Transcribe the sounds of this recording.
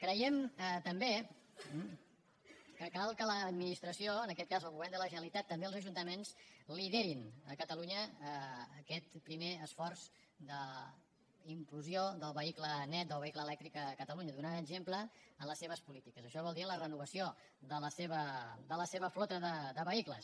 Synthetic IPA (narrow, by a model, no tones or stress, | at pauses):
kɾəjɛmt̪əmbe | kəkalˠkələːd̪minist̪ɾəsioənəkɛt̪kazəlˠɣuβɛrnd̪ələʒənəlit̪at̪ːəmbeəlˠzəʒunt̪əmensliðeɾinəkət̪əluɲəː | kɛt̪pɾimeəsfɔrz | d̪ə | impluzioðəlˠβəiklənɛt̪̚d̪əlˠβəikləːlɛk̚t̪ɾikəkət̪əluɲəðunaəɡʒempləənləseβ̞əspulit̪ikəzəʃɔβɔlˠd̪iələrənuβ̞əsio | ðələseβəd̪ələseβəflot̪əðəðəβəiklə̰s